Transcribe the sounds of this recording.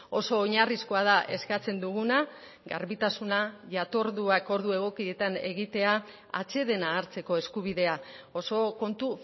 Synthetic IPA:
o̞so̞ːɲariskoað̞aʔe̞skat͡se̞nd̪uɣuna | ɡa̰ɾβit̪asunaʝat̪o̞ɾðuako̞ɾðue̞ɣ̞o̞kiet̪ane̞̰ɣit̪e̞a | a̰t͡se̞ðe̞naːɾt͡se̞ko̞e̞skuβiðe̞ao̞so̞ko̞nt̪u

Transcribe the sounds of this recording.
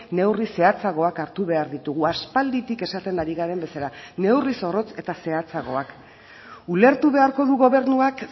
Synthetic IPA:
ne̞wrise̞at͡saɣo̞akaɾt̪uβe̞aɾðit̪uɣ̞uaspald̪it̪ike̞sat̪e̞ndaɾiɣaɾe̞mbe̞saɾane̞wriso̞ro̞t͡se̞t̪ase̞at͡saɣ̞o̞ak | ule̞ɾt̪uβe̞aɾko̞ðuɣo̞β̞e̞ɾnuak

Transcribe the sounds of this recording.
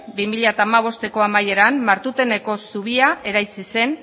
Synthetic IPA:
bimiʎat̪aːmaβ̞o̞st̪e̞ko̞amaje̞ɾamːaɾt̪ut̪e̞ne̞ko̞suβ̞iae̞ɾajt͡sise̞n

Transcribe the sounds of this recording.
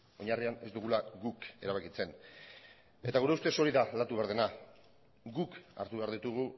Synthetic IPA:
o̞ɲariane̞zd̪uɣ̞ulaɣuke̞ɾaβakit͡se̞n | e̞t̪aɣuɾe̞ust̪e̞so̞ɾiðalat̪uβeaɾðena | ɡuka̰ɾt̪uβe̞aɾðit̪uɣ̞u

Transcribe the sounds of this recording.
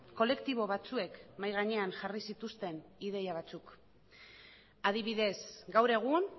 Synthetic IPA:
ko̞le̞kt̪iβo̞βat͡sue̞kmajɣaɲe̞anʝarisit̪ust̪e̞niðe̞jaβ̞at͡suk | að̞iβ̞iðe̞sɡawɾe̞ɣ̞un

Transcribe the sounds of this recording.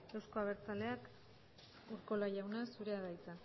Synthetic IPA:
e̞wsko̞aβ̞e̞ɾt͡sale̞ak | uɾko̞lajawnasuɾeaðajt͡sa

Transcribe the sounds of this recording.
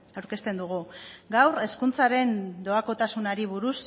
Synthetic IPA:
awɾke̞st̪e̞nd̪uɣ̞uɡawre̞skunt͡saɾe̞nd̪o̞ako̞t̪asunaɾiβ̞uɾus

